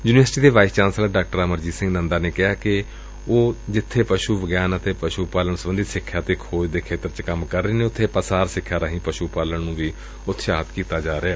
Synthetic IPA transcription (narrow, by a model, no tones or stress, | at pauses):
juːnɪʋəɾsʈiːd̪eːʋaːɪst͡ʃãːnsələɖaːk̚ʈəɾəməɾd͡ʒiːsɪ̃ŋɡnənd̪aːneːkɪaːkɪ | oːd͡ʒɪt̪ʰːeːpəʃuːbəɡjaːnət̪eːpəʃuːpaːləɳsəbənd̪iːsɪkʰːjaːt̪eːkʰoːd͡ʒd̪eːkʰeːt̪əɾt͡ʃkəmkəɾːeːneːʊt̪ʰːeːpəsaːɾsɪkʰːjaːɾəɦĩːpəʃuːpaːləɳnũːʋiː | ʊt̪ʰʃaːt̪kiːt̪aːd͡ʒaːɾeɛː